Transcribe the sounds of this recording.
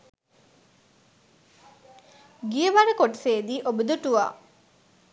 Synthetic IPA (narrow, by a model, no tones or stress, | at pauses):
ɡijəʋaɾəkoʈseːd̪iːʔobəd̪uʈuʋa̰ː